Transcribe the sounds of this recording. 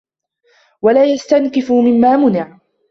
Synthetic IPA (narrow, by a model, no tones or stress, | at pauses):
walaːjast̪ankɪfmɪmːaːmʊnɪʕ